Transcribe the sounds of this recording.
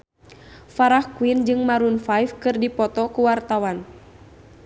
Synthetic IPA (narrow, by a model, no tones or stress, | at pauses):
faɾahkuind͡ʒɨŋmaɾunfajfkɨrdipɔt̪ɔkuwart̪awan